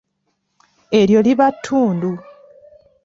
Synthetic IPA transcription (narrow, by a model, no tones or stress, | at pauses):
e̞ljo̞liβatʰːuːndu